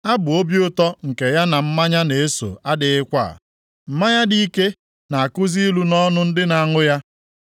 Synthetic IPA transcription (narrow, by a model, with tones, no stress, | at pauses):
a˦bʊ˨o˦bji˦ʊ˦tɔ˦ŋ̩˨ke˨ja˦na˨m̩˦ma˦ɲa˦ne˨e˦so̰˨a˦dɪ˨ɪ˦kʷa̰˦˨ | m̩˨ma˦ja˦di˦i˦ke˦ | na˨a˨kʊ˦zi˦lu˦nɔ˦nʊ˦n̩˦dɪ˦na˨a˦ŋʊ˦ja˦